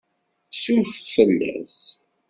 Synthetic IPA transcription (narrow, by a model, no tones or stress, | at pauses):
suffəlːæ̰s